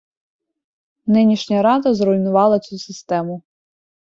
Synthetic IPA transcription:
nɪnʲiʃnʲɐɾɑd̪ɐzɾɔjnʊʋɑlˠɐt͡sʲusɪst̪ɛmʊ

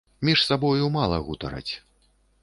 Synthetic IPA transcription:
mʲiʂsabɔjumalˠɐɣut̪ɐɾɐ̰t͡sʲ

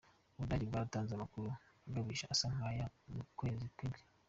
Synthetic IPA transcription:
uβudaɟibɡaːɾutaːnzamakuɾuaɡaβiːʃaʔasaŋaːjamukwe̞ːzikwebɡe̥

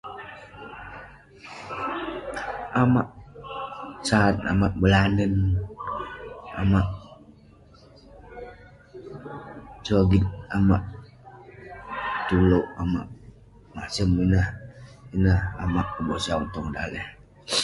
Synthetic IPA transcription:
amaʔ | sat̪a̰maʔbəlanən | a̰maʔ | t͡ʃoɡit̪̚amaʔ | t̪uloʔama̰ʔ | maʔsəminahinaha̰maʔkəboʔsaɔŋt̪ɔŋda̰lɛh

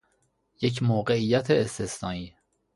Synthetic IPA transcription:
jecʰmoːɢeijːæt̪ʰeːst̪ʰesnɒːniː

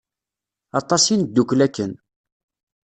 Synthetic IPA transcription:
ɑt̪ˤːɑsind̪ːukːlækːən

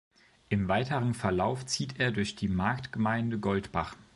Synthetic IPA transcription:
ʔɪmvaɪtəʁənfɛɐlaʊft͡siːtʰeːɐdʊɐçd̥iːmaɐktɡ̥əmaɪndəɡɔltb̥a̰χ

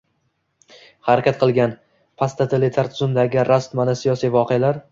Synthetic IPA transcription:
haɾakʲat̪̚qʰɨlˠɡʲan | pʰast̪at̪ʰɪlɪt̪ʰaɾt̪ʰʊzɪmd̪aɡʲɪɾast̪manasijɒsijvɒqʰealaɾ

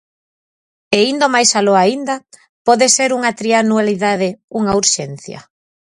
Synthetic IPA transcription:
eind̪omajsaloaind̪a | pɔðeseɾuŋat̪ɾianualiðaðeuŋauɾʃen̟θjɐ̰

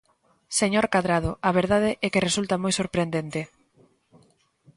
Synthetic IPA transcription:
seɲoɾkaðɾað̞oʔaβ̞eɾðað̞eʔɛkeresult̪amojsoɾpɾend̪ent̪e

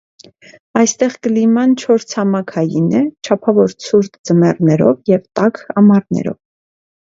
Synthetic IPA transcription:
ɑjst̪ɛʁkəlimɑnt͡ʃʰɔɾt͡sʰhɑmɑkʰɑjinɛt͡ʃʰɑpʰɑvɔɾt͡sʰuɾt̪d͡zəmɛrnɛɾɔ̰vjɛvt̪ɑkʰɑmɑɾnɛ̰ɾɔ̰v

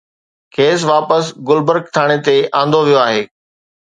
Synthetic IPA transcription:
kʰeːs̬ʋaːpəsɡʊlbəɾk̚t̪ʰaːɽ̃et̪eãːnd̪oʋijoaːɦeː

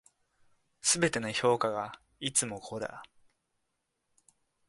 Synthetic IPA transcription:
sɨbe̞t̪e̞noço̞ːkaɡa | it͡sɨmo̞kʰoɾa̰

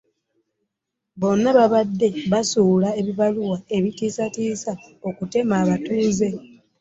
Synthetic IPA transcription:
βo̞nːaβaβadːe̞βasuːlae̞βiβaluwae̞βitiːsatiːsao̞kute̞maːβatuːze̞

